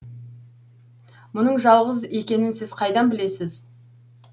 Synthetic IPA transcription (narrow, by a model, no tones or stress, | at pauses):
mʊnəɴʒɑlˠʁəze̞kʲe̞nɪnsɪz̥qʰɑjd̪ɑnbɪle̞sɪz